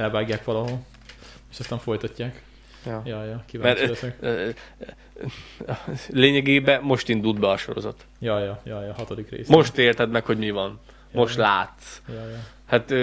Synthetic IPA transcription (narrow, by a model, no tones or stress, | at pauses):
ɛlvaːɡjaːkʋɒlɒɦol | eːʃɒst̪aːɱfo̞jt̪ɒcːaːk | jɒjɒjɒkivamɛrt͡ʃsɛk | leːɲɛɡeːbɛmo̞ʃt̪ind̪uld̪bɛɒʃo̞̰ɾo̞̰zɒ̰t̪ | jɒjɒjɒjɒɦɒt̪od̪ikrḛːsmo̞ʃt̪eːrt̪ɛd̪mɛkho̞ɟmivɒn | mo̞ʃt̪laːt̪sjɒj | hat̪ø